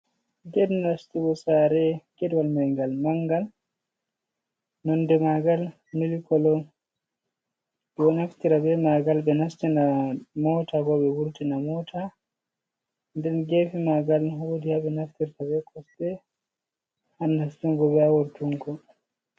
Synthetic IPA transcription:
d͡ʒɛnːastiɡɔsaɾɛkɛdwalmajŋɡalmaŋɡal | nɔndɛmaɡal | milikɔlɔ | bɔnaftiɾabɛmaɡalɓɛnastinamɔtaɡɔɓɛwuɾtinamɔtʰa | ndɛnɡefimaɡalwodihabɛnaftiɾtabɛkʰɔstɛ | hanːastiŋɡɔbɛawuɾtuŋɡɔ

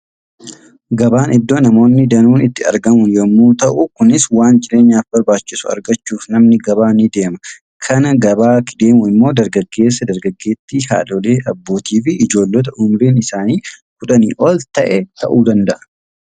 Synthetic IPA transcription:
ɡɐbaːnɪd̪ːo̞ːnɐmo̞ːnːɪd̪ɐnuːnɪt̪ːɪɐ̰ɾɡɐmʊnjɔmːuːt̪ɐʔʊkʊnɪswaːnd͡ʒɪɾe̞ːɲːaːfbɐɾbaːt͡ʃːɪsʊɐ̰ɾɡɐt͡ʃːuːfnɐmnɪɡɐβaːnid̪e̞ːmɐ̥ | kʰɐnɐɡɐbaːkɪd̪e̞ːmʊɪmːo̞ːd̪ɐɾɡɐɡːe̞ːs̬ːɐd̪ɐɾɡɐɡːe̞ːt̪ːiha̰ːᶑɔle̞ːʔɐbːo̞ːt̪iːfɪɪd͡ʒo̞ːlːɔt̪̬ɐʊmɾiːnɪsaːniːkʊᶑɐnḭːʔɔlt̪ɐʔɛt̪ɐʔuːd̪ɐnd̪ɐʔɐ̥

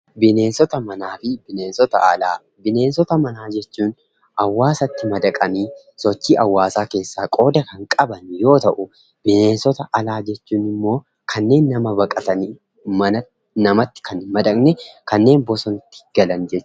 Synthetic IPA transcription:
bɪne̞ːnsɔt̪ɐmɐnaːfɪbɪne̞ːnsɔt̪ɐ̰ɐlaː | bɪne̞ːnsɔt̪ɐmɐnaːd͡ʒɛt͡ʃːuːn | ʔɐwːaːsɐt̪ːɪmɐd̪ɐkʼɐniː | sɔt͡ʃːiːʔɐwːaːsaːke̞ːsːaːkʼo̞ːd̪ɐkɐŋkʼɐbɐnjo̞ːt̪ɐʔʊ | bɪne̞ːnsɔt̪ɐʔɐlaːd͡ʒɛt͡ʃːuːnɪmːo̞ː | kʰɐnːe̞ːnːɐmɐbɐkʼɐt̪ɐni | mɐnɐ | nɐmɐt̪ːɪ̥kɐnɪmɐd̪ɐkʼnɛkɐnːe̞ːnbɔsɔnt̪ːɪ̥ɡ̥ɐlɐnd͡ʒɛt͡ʃː

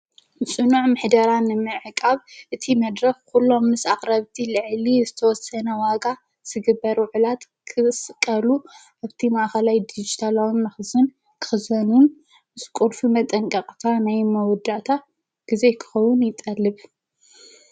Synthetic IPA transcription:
sʼɨnuʕmɨħd̪ɐɾanɨmɨʕɨkʼaβʔɨt̪ʰimɐd̪ɾɐxkʰulːo̞mːɨsakʼɾɐβt̪ʰilɨʕlizɨt̪ʰɐwɔsɐnɐwaɡa | z̥ɨɡɨbːɐɾwʕulat̪ | kʰɨsɨkʼːɐlu | ʔaβt̪ʰimaʔxɐlajd̪id͡ʒit̪ʰalawnːɐxzɨn | kʰɨ̥xɨzɐnun | mɨskʼulfimɐt̪ʼɐŋkʼɐkʼt̪ʰanajmɐwɔd̪aʔt̪ʰa | ɡ̥ize̞kʰɨ̥xɐwʊnjɪt̪ʼɐlːɨβ

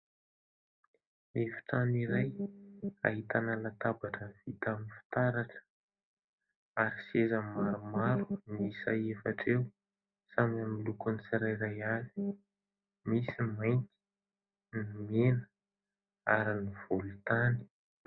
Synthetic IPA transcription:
efi̥t̪aniɾaj | a̰ɦit̪analat̪abaʈ͡ʂəvit̪amifi̥t̪aɾaʈ͡ʂə̥ | aɾisezəmaɾumaɾunisa̰jefaʈ͡ʂew | samamilukunisiɾajɾajazi̥ | misimaj̪t̪i̥ | nimenə̥ | aɾiniv̥ulut̪ani̥

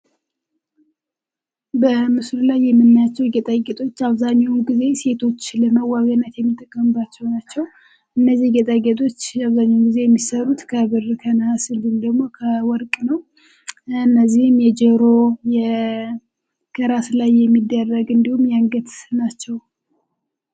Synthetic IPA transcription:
bəmɨslulajːɛmːɨnːajat͡ʃːɛwɡɛt̪ʼaɡet̪ʰʼo̞t͡ʃːaβzaɲːawɡize̞se̞t̪ʰo̞t͡ʃːləməwːaɡənːət̪jɛmːit̪ʼːəkʼːəmɨbat͡ʃːɛwnat͡ʃːɛw | ʔɨnːəzːihɡɛt̪ʼaɡet̪ʼo̞t͡ʃːaβzaɲːawuɡize̞jɛmːisəɾut̪kʰəβɨrkʰənhasɨlɨmd̪əɡmo̞kʰəwɔɾkʼnəw | ɨnːəzːihɨmjɛd͡ʒɛɾo̞jɛ | kʰəɾaslajːɛmːid̪ːərːəɡɨnd̪ihumjaŋɡət̪nat͡ʃːɛw

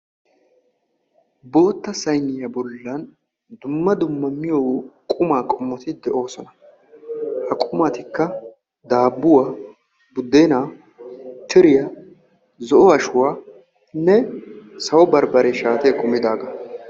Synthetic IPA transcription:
bo̞ːt̪ːɐsɐjnːɪjɐbɔlːɐn | d̪ʊmːɐd̪ʊmːɐmːɪjoːkʼʊmaːkʼʊmːɔt̪ɪd̪ɛʔo̞ːsɔnɐ | hɐkʼʊmat̪ɪkːɐ | d̪aːbːʊwaː | bʊd̪ːeːnaː | t̪ʰɪɾɪjɐ | zɔʔɔɐʃʊwaː | nːɛsɐwɔbɐɾbɐɾeʃaːt̪eːkʼʊmːɪd̪aːɡɐ

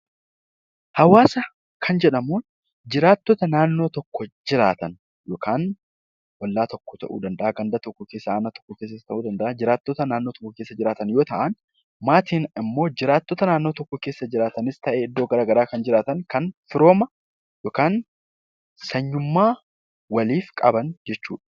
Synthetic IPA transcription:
hɐwaːsɐ | kʰɐnd͡ʒɛᶑɐmuːn | d͡ʒɪɾaːt̪ːɔt̪ɐnaːnːo̞ːt̪ɔkːɔd͡ʒɪɾa̰ːt̪ɐn | jo̞ːkʰaːn | wɐlːaːt̪ɔkːɔ̥t̪ɐ̰ʔṵːd̪ɐnd̪ɐʔaːɡɐnd̪ɐt̪ɔkːɔkeːsːɐaːnat̪ɔ̥kːɔkeːs̬ɐt̪ɐʔuːd̪ɐnd̪ɐʔad͡ʒɪɾaːt̪ːot̪ɐnaːnːo̞ːt̪ɔ̥kːɔke̞ːsːɐd͡ʒɪɾaːt̪ɐnjo̞ːt̪ɐʔɐn | maːt̪iːnɪmːo̞ːd͡ʒɪɾaːt̪ːot̪ɐnaːnːo̞ːt̪ɔkːɔke̞ːsːɐd͡ʒɪɾaːt̪ɐnɪst̪ɐʔeɪd̪ːoːɡɐɾaːɡɐɾaːkɐnd͡ʒɪɾaːt̪ɐnkɐnfɪɾo̞ːmɐ | jo̞ːkaːn | sɐɲːʊmːaː | wɐliːfkʼɐbɐnd͡ʒɛt͡ʃːṵːᶑɐ̥

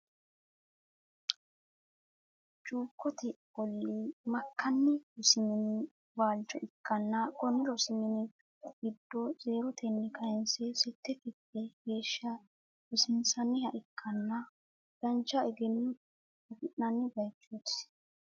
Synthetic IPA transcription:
t͡ʃʼuːkːɔt̪ɛbɔlːimɐkːɐnːɪɔsɪmɪnɪ | waːlt͡ʃːɔ̰ʔɪkʰːɐnːɐkʼɔnːɪɾɔsɪmɪnɪ | ɡ̥ɪd̪ːɔze̞ːɾɔt̪ɛnːɪkʰɐjɛnsɛsɛt̪ːɛkɪkːɛɡe̞ːʃːɐ | ɪsɪnsɐnːɪhɐʔɪkʰːɐnːɐ | d̥ɐnt͡ʃːɐɛɡɛnːʊ | ɐɡɪʔːɐnːɪbɐjt͡ʃːus

